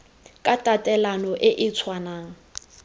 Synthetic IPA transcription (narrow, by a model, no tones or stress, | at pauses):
kʼatʼatʼɛlanɔʔɪʔɪt͡sʰwana